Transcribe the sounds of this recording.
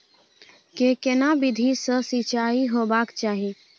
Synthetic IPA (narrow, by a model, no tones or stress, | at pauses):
kekenabɪd̪ʱisəsit͡ʃaːiɦoːbaːkt͡ʃaːɦi